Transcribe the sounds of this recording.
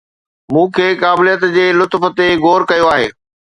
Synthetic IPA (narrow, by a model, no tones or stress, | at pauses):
mũːkʰeːkaːbɪlijət̪d͡ʑeːlʊt̪fə̆t̪eɣoːɾkɐjoaːɦḛː